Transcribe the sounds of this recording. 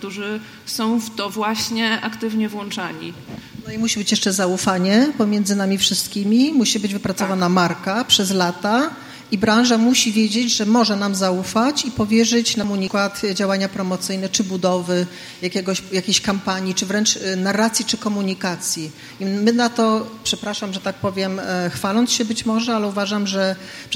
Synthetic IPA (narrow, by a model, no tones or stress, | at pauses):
kt̪uʐɘ | sɔ̃w̃ft̪ɔvwaɕɲɛʔakt̪ɘvɲɛvwɔnt͡ʂaɲḭnɔimuɕibɘt͡ɕjɛʂt͡ʂɛzaufaɲɛpɔmʲjɛnd̪zɘnamʲifʂɘst̪kʲimʲimuɕibɘd͡ʑvɘpɾat̪sɔvanamaɾkapʂɛzlat̪a | ibɾãw̃ʐamuɕivʲjɛd͡ʑed͡ʑʐɛmɔʐɛnamzaufat͡ɕipɔvʲjɛʐɘt͡ɕnamuɲikwat̪d͡ʑawaɲapɾɔmɔt̪sɘjnɛt͡ʂɘbud̪ɔvɘ | jakʲɛɡɔɕjakʲeɕkampaɲit͡ʂɘvɾɛnt͡ʂnarːat̪sʲjit͡ʂɘkɔmuɲikat̪sʲji | imɘnat̪ɔpʂɛpɾaʂamʐɛt̪ak̚pɔvʲjɛmxfalɔnt̪sɕɛbɘt͡ɕmɔʐɛalɛuvaʐamʐɛ